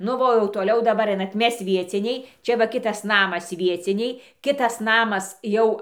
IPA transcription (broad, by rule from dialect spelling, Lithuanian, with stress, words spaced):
nʊ ˈʋɐ oː jɛʊ toːˈlʲɛʊ dɐˈbɐr ˈɐɪnɐt ˈmʲɛs ˈʋʲiɛt͡sʲɪnʲɛɪ ˈt͡ʃʲɛ ʋɐ ˈkʲɪtɐs ˈnɑːmɐs ˈʋʲiɛt͡sʲɪnʲɛɪ ˈkʲɪtɐs ˈnɑːmɐs ˈjɛʊ